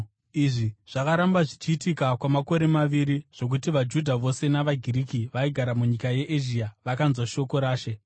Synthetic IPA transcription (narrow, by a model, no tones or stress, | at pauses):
iʐiʐ̥akaɾambaʐit͡ʃiːtikakwamako̞ɾe̞maʋiɾiʐ̥o̞k̬utiʋad͡ʒudʱaʋo̞se̞naʋaɡʱirikiʋaiɡʱaɾamuɲikaje̞ʔeʒiaʋakanzwaʃo̞ko̞ɾaːʃe̞